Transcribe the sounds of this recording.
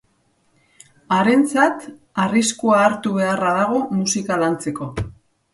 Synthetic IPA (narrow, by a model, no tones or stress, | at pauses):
aɾe̞nt͡sat̪ | ariskuaːɾt̪uβe̞araðaɣ̞o̞musikalant͡se̞ko̞